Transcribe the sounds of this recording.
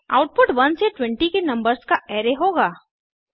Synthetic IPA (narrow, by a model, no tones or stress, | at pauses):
a̰ːʊʈ̚pʊʈʋɐnseʈwɛ̃ɳʈikenɐ̃mbəɾskaʔɛːɾeɦoːɡaː